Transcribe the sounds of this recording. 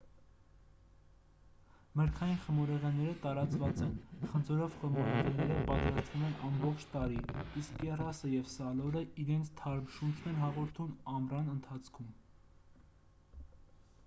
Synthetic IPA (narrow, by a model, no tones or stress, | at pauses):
məɾkʰɑjinχəmɔɾɛʁɛnːɛɾət̪ɑɾɑt͡svɑt͡sɛnχənd͡zɔɾɔvχəmɔɾɛʁɛnɛɾəpɑt̪ɾɑst̪vumɛnɑmbɔχt͡ʃʰt̪ɑɾiiskːɛrɑsəjɛvsɑlɔɾəʔiɾɛnt͡sʰt̪ʰɑɾmʃunt͡ʃʰnɛnɦɑʁɔɾt̪ʰunɑmrɑnənt̪ʰɑt͡sʰkʰum